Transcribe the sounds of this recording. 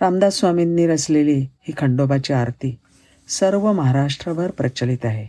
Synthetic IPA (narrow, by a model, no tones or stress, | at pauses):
ɾamd̪asʋaminːiːɾəslelihiːkʰəɳɖobat͡ɕiaɾt̪ʰiː | səɾʋəməɦaɾaʂʈɾəʋəɾpɾət͡ɕəlit̪aɦe